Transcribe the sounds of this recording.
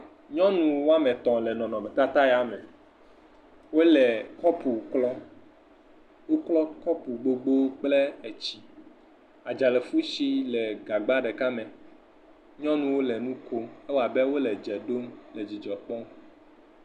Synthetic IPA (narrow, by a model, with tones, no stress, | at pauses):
ɲɔ̃˦nũ˨wo˦a˦mɛ̃˨t̪ɔ̃˨lɛ˨nɔ̃˨nɔ̃˨mɛ˨t̪a˦t̪a˦ja˦mɛ̃˨ | wo˦lɛ˨kɔ˦pu˨klɔ˦ | wo˦klɔ˦kɔ˦pu˨ɡ͡bo˦ɡ͡bo˦k͡plɛ˦ɛ˨t͡ɕi˨ | a˨d͡ʒa˨lɛ˨fu˦ʃi˦lɛ˨ɡa˨ɡ͡ba˦ɖɛ˨ka˦mɛ̃˨ | ɲɔ̃˦nũ˨wo˦lɛ˨nũ˦ko˦ɛ˦wo˦a˨bɛ˦wo˦lɛ˨d͡ʒɛ˨ɖo˦mlɛ˨d͡ʑi˨d͡ʒɔ˨k͡pɔ˦m